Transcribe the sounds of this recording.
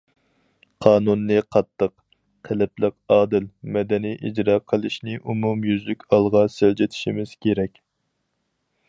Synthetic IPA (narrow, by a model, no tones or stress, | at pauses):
qʰɑːnunːɨqʰɑt̪ʰːəqːʰ | elɪplˠəqɑːd̪ɪlmɛd̪ɛnijʔid͡ʒɾɑqʰəlˠɨʃnɪʔumumjyzlykʲɑlˠʁɑsɪld͡ʒɪt̪ʰɪ̥ʃimɪz̥kʲʰeɾɛkʲ